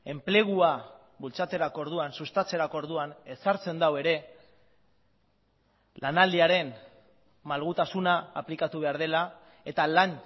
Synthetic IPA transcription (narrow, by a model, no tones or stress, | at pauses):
e̞mple̞ɣ̞ua | βult͡sat̪e̞ɾako̞ɾð̞uansust̪at͡se̞ɾakoɾðuane̞saɾt͡se̞nd̪awe̞ɾe̞ | lanald̪iaɾe̞n | malɣut̪asunaːplikat̪uβe̞aɾðe̞la | e̞t̪alan